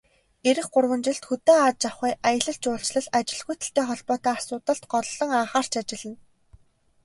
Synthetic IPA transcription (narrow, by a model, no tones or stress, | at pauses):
eɾɘ̆xɢʊrwə̆nt͡ɕɪ̆ɬt̪xɵt̪eːaːt̪̚t͡ɕaχiːʔajə̆ɮə̆ɬt͡ɕʊːɬt͡ɕɮə̆ɮat͡ɕɪ̆ɮɣujʰt̪ə̆ɬt̪eːχɔɮpɔːt̪aːasʊːt̪ə̆ɬt̪ɢɔɮɮɞ̆ŋaːχaːr̥t͡ɕʰat͡ɕɪ̆ɮɘ̆n